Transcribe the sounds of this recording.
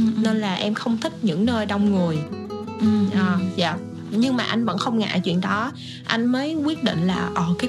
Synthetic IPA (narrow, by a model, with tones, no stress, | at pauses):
ne˧nlaː˨˩ʔɛ˧mxə˧wŋ͡mt̪ʰï˦˥k̚ɲɨ̰˧˥ŋnəː˧jɗɔ˧wŋ͡mŋɨ˨˩əj | ʔʔəː˨˩za̰ː˧˨ | ɲɨ˧ŋmaː˨˩ʔa˧jŋ̟və̰˧˥nxə˧wŋ͡mŋa̰ː˧˨˥t͡ɕwḭ˧˨ənɗɔ˨˦ | ʔa˧jŋ̟məː˨˦jkwi˦˥ət̚ɗḭ̈˧˨ŋ̟laː˨˩ʔəː˨˩kaː˨˦